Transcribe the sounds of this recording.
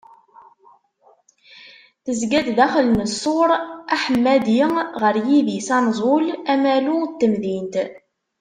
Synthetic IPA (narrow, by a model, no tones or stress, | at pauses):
θəzɡæd̪ðæχəlnəsˤːoɾˤaħəmːæd̪jəʁəɾjiðjisɑnzˤʊlæmælut̪ːəmðint̪